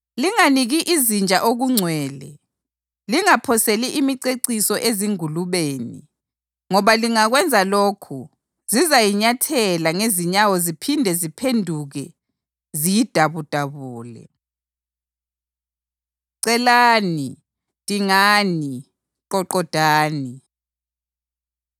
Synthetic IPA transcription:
liŋaniɣiʔizind͡ʒʱʼaʔoɣuŋ͡ǀʱwɛːlɛ | liŋapʰɔseliʔimiǀeǀisɔʔeziŋuluβeːni | ŋɔβaliŋaɣwɛnd͡zʱaloːkʰu | zizajiɲatʰɛlaŋeziɲawɔzipʰindʱɛzipʰendʱuɣɛ | zijid̥ʱaβud̥ʱaβuːlɛ̰ | ǀɛlaːni | tʼiŋaːni | ǃɔǃɔd̥ʱaːni

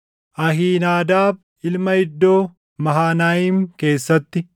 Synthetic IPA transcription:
ʔɐɦiːnaːd̪aːb | ɪlmɐhɪd̪ːo̞ː | mɐɦaːnaːjiːmke̞ːsːɐt̪ːɪ

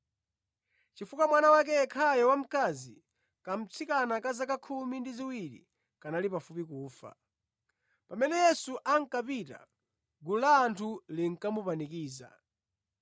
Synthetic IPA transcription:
t͡ʃifukamwanawak̬ɛkʰajɔwam̩kazi | kam̩t͡sʰikanakazakakʰumindiziwiɾḭ | kanalipafupikuːfa̰ | pamɛnɛjɛsuʔaŋ̩kapita̰ | ɡulaːntʰuliŋ̩kamupanikiːza̰

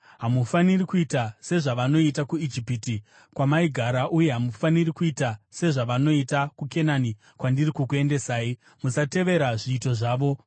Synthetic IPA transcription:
ɦamufanirikuitase̞ʐaʋano̞itakuid͡ʒipiti | kwamaiɡʱaɾaʔuje̞ɦamufanirikuitase̞ʐaʋano̞itakuke̞nani | kwandirikukue̞nde̞saːi | musate̞ʋe̞ɾaʐiːto̞ʐaːʋo̞

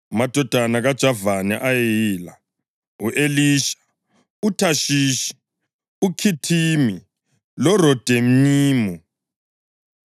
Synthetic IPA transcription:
umad̥ʱɔd̥ʱanaɣad̥ʒ̥ʱavanɛʔajɛejiːla | uʔeliːʃḁ | utʰaʃiːʃi̥ | ukʰitʰiːmi | lɔrɔd̥ʱem̩niːmu

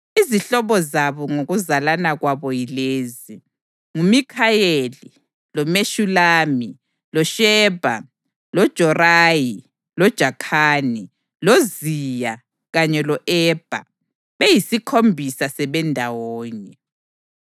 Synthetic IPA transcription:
iziɬɔβɔzaβɔŋoɣuzalanaɣwaβɔjileːzi | ŋumikʰajeli | lɔmeʃulaːmi | lɔʃɛːb̥ʱa | lɔd̥ʒ̥ʱɔraːji | lɔd̥ʒ̥ʱakʰaːni | lozija | ɣaɲɛlɔʔɛːb̥ʱa̰ | βejisikʰombʱisasɛβɛndʱawɔːɲɛ

